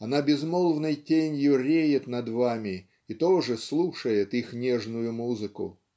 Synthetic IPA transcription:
ɐnabʲɪzmolˠvnɨjtʲenʲjʊɾʲejɪt̪nɐd̪vamʲɪ | ɪt̪oʐɨslˠuʂəjɪt̪ixnʲeʐnʊjʊmuzɨkʊ̰

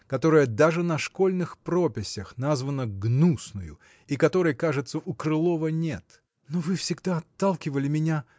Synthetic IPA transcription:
kɐt̪o̞ɾəjəd̪aʐɨnɐʂko̞lʲnɨxpɾo̞pʲɪsʲəxnazvənəɡnusnʊjʊ̰ | ikɐt̪o̞ɾɨjkaʐɨt̪səʔʊkɾɨlˠo̞vənʲe̞t̪ | novɨfsʲɪɡd̪aɐt̪ːalˠkʲɪvəlʲɪmʲɪnʲa

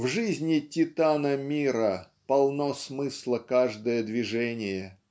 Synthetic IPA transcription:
vʐɨzʲnʲɪtʲɪt̪anəmʲiɾə | pɐlˠnosmɨslˠəkaʐd̪əjəd̪vʲɪʐɛnʲɪjə

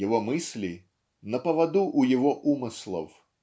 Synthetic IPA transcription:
ɪvomɨsʲlʲi | nəpəvɐd̪uʔːjɪvoʔumɨslˠə̰f

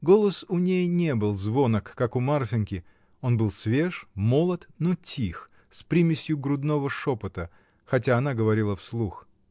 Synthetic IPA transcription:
ɡo̞lˠəsʊnʲejnʲebɨlˠzvo̞nəkːakʊmarfʲɪnʲkʲɪ | o̞nbɨlˠsvʲe̞ʂmo̞lˠət̪notʲʰix | spɾʲimʲɪsʲjʊɡɾʊd̪no̞vəʂopət̪ə | xɐtʲaɐnaɡəvɐɾʲilˠəfslˠux

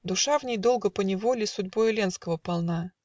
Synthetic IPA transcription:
d̪ʊʂavnʲejd̪o̞lˠɡəpənʲɪvolʲɪsʊdʲboɪlʲenskəvəpɐlˠna

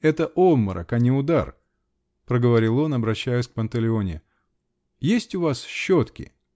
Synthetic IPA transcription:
ɛt̪əʔomːəɾʔə̰kanʲɪʊd̪a̰r | pɾəɡəvɐɾʲilˠo̞nɐbɾɐɕːæjʊsʲk̚pənt̪əlʲɪo̞nʲɪ | jesʲtʲʊvasɕːo̞t̪kʲɪ̰

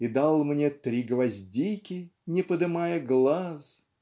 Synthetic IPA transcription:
id̪alˠmnʲet̪ɾʲiɡəvɐzʲdʲikʲɪnʲɪpəd̪ɨmajəɡlˠaz

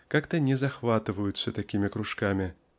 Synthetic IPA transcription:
kakt̪ɐnʲɛzɐxvat̪ɨvəjʊt̪sːɐt̪akʲimʲɪkɾʊʂkamʲɪ

